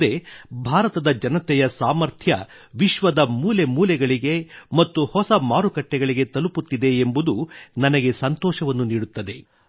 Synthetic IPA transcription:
e̞bʱaːɾɐt̪ɐd̪ɐd͡ʒɐnɐt̪ɛjɐsaːmɐɾt̪ʰjɐ | ʋiʃʋɐd̪ɐmuːle̞muːlɛɡɐɭiɡe̞mɐt̪ːuhɔsɐmaːɾukɐʈːɛɡɐɭiɡe̞t̪ɐluput̪ːid̪e̞ːmbud̪unɐnɐɡe̞sɐnt̪ɔːʃɐʋɐnːuniːɽut̪ːɐd̪e̞

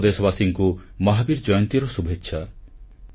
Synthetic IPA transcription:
d̪esɔβasiŋkumɔɦabiɾd͡ʒɔjɔnt̪iɾɔsubʱetːʃʰa

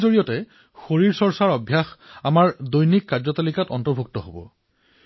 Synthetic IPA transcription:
zoɹijɔtɛ | xoɹiɹsɔɹsaɹɔbʱjaxamaɹdojnikːaɹzɔtalikatɔntɔɹbʱuk̚tɔɦobɔ̰

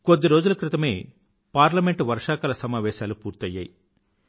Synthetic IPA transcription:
kod̪ːiɾo̞ːd͡ʒulɐkɾɪt̪ɐme̞̰ː | paːɾlɐmeɳʈʋɐɾʂaːkɐlɐsɐmaːʋɛːʃaːlupuːɾt̪ɐjːa̰ːji

